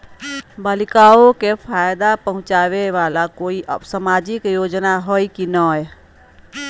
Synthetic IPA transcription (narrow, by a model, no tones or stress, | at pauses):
balikaokepʰajd̪apəɦʊ̃t͡ʃaʋeʋalakoiʔsamad͡ʒikjod͡ʒnaɦojkinəj